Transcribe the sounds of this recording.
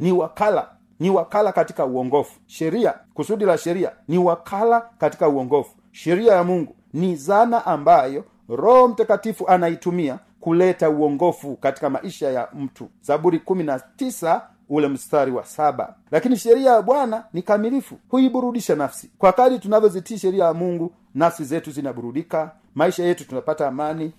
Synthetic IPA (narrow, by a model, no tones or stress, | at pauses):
niwakala̰ | niwakalakati̥kauwɔŋɡɔfu̥ʃɛɾiakusuɗilaʃɛɾia̰niwakʰalakati̥kauɔŋɡɔfu̥ | ʃɛɾiajamuŋɡu | nizanaʔambajɔ | ɾɔhɔm̩takatifuʔanaitumia | kulɛtauɔŋɡɔfukati̥kama̰ʔiʃajam̩tʰuzaɓuɾikuminatisa | ulɛm̩staɾiwa̰saɓa̰ | lakiniʃɛɾiajaɓwananikamilifṵhuiɓuɾuɗiʃanafsi̥kwakaɗitunavjɔzitiʃɛɾiajamuŋɡu | nafsizɛtuzinaɓuɾuɗika | maiʃajɛtutunapataːmani